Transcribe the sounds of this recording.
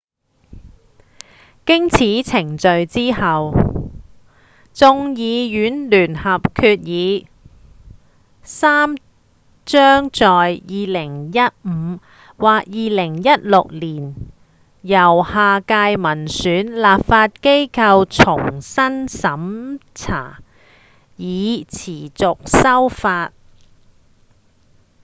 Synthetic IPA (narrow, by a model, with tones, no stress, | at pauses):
kɪ˥ŋt͡sʰiː˨˥t͡sʰɪ˨˩ŋt͡sɵ˨˧ɥt͡siː˥hɐ˨w | t͡sʊ˧ŋjiː˨˧jyː˨˥nlyː˨˩nhɐ˨p̚kʰyː˧t̚jiː˨˧ | saː˥m | t͡ʃœː˥ŋt͡sɔː˨jjiː˨lɪ˨˩ŋjɐ˥t̚m̩˨˧ | waː˨k̚jiː˨˧lɪ˨˩ŋjɐ˥t̚lʊ˨k̚liː˨˩n | jɐ˨˩whaː˨kaː˧jmɐ˨˩nsyː˨˥nlaː˨pfaː˧t̚ke˥jkʰɐ˧wt͡sʰʊ˨˩ŋsɐ˥nsɐ˨˥mt͡sʰa̰ː˨˩ | jiː˨˧t͡sʰiː˨˩t͡sʊ˨k̚sɐ˥wfaː˧t̚